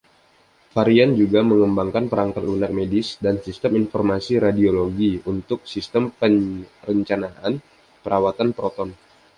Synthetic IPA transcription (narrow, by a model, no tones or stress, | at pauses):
faɾiand͡ʒuɡaməŋəmbaŋkanpəɾaŋkat̪lunak̚medɪsdansist̪əminfɔrmasiɾadioloɡiunt̪ʊk̚sist̪əmpərəɲt͡ʃanaʔan | pəɾawat̪anpəɾɔt̪ɔn